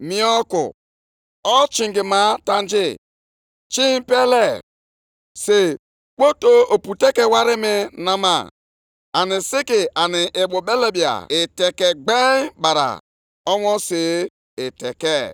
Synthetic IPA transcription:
mi˨ɔ˦kʊ̰˨ | ɔ˦t͡ʃi˨ŋɡi˨ma˦ta˦n˦d͡ʒɪ˦˨ | t͡ʃi˦m̩˦pe˦le˦ | se˨ | k͡po˦to˦o˨pu˨te˦ke˨wa˦ɾɪ˦mɪ˦na˦ma̰˦˨ | a˨nɪ˨sɪ˦kɪ˨ʔa˨nɪ˨ʔɪ˨ɓʊ˨be˦le˦bi˨a̰˨ɪ˨te˨ke˨ɡ͡be˦ba˨ɾa̰˨ | ɔ˦wɔ˦se˨ | ɪ˨te˨ke˦˨

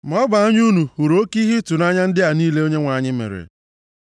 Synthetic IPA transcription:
m˨ɔ˦ba˨a˦ɲ˦u˦nu˨hu˨ɾo˦ki˦ɦi˦tu˨na˦ɲa˦n̩˦dɪ˦a˨niː˦le˦o˦ɲe˦ŋʷa˨˦ɲɪ˦mḛ˨ɾḛ˨

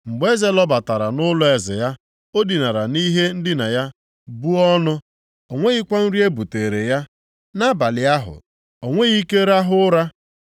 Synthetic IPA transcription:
ŋ͡m̩˨ɡ͡be˦ze˦lɔ˦ba˨ta˨ɾa˨nʊ˦lʊ˦e˨zɪ̰˨ja˦ | o˦di˨na˨ɾa˨ni˦ɦe˦n̩˦dɪ˦na˨ja˦ | bu˦ɔ˦nʊ˦ | o˨ŋʷe˦ɣɪ˦kʷa˦n̩˦ɾi˦e˦bu˨te˨ɾe˨ja˦ | na˦ba˨lɪ˨a˦ɦʊ̰˨ | o˨ŋʷe˦ɣi˦ke˦ɾa˦ɦʊ˦ɾa˦

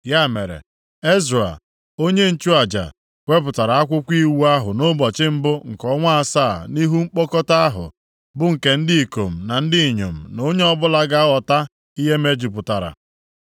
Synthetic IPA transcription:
ja˦˨me˨ɾḛ˨ | e˦zɾa̰˨ | o˦ɲe˦n̩˦t͡ʃu˦a˨d͡ʒa̰˨ | kʷe˦p̬ʊ˨ta˨ɾa˨a˦kʷʊ˦kʷi˦wu˦a˦ɦʊ˨no˦bɔ˨t͡ʃɪ˦m̩˦bʊ˦ŋ̩˨kɔ˦ŋʷa˦a˨saː˦˨ni˦ɦu˦ŋ͡m̩˦k͡pɔ˦kɔ˦ta˦ɦʊ̰˨ | bʊ˦ŋ̩˨ke˨n̩˦dɪ˦i˨ko˨m̩˨na˨n̩˦dɪ˦i˨ɲo̰˨m̩˨no˦ɲe˦ɔ˦bʊ˦la˦ɡa˦ɔ˨ta˦ | i˦ɦe˦me˦d͡ʒi˨pʊ˨ta˨ɾa̰˨

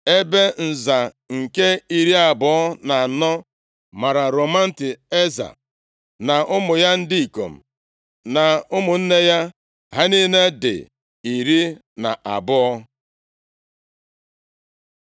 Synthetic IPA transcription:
e˦be˦n̩˨za˨ | ŋ̩˨ke˦i˨ɾi˦a˨bʊ˦ɔ˦na˨nɔ˦ | ma˨ɾa˨ɾo˨ma˦n̩˦tɪ˨e˦za̰˨ | na˨ʔʊ˦mʊ˨ja˦n̩˦di˦i˨ko̰˨m̩˨ | na˨ʊ˦mʊ˨n̩˦ne˦ja˦ | ɦa˦niː˦ne˦dɪ̰˨ | i˨ɾi˦ | na̰˨ʔa̰˨bʊ˦ɔ˦

